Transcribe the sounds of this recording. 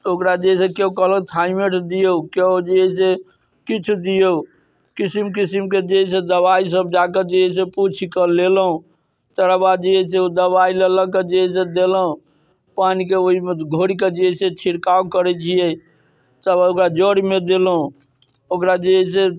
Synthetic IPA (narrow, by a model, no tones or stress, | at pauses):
t̪okɾad͡ʒeɦisekekəɦlət̪ʰaimeʈd̪ijouked͡ʒiɛse | kit͡ʃʰud̪ijo | kisimkisimked͡ʒeɦɛsed̪əbais̬əb̚d͡ʒaked͡ʒeɦɛseput͡ʃʰikəlelɦũ | t̪əɾəbad̪d͡ʒeɛseod̪əβailələɡ̚ked͡ʒeɦɛs̬ed̪eləɦũ | panikeoɦimeɡʱoɽiked͡ʒeɛset͡ʃʰiɽkaukəɾɛt͡ʃʰijɛ | t̪əbaokɾad͡ʒoɽimed̪elɦũ | okɾad͡ʒeɛse